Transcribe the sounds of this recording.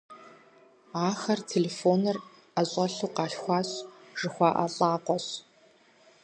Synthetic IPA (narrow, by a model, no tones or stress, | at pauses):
aːxɐrtʰeːleːfoːnɨr | ɐɕʼɐɬuːqɑːɬxʷɑːɕʐ̥ɨxʷɑːʔɐ̰ɬʼaːqʷɔɕ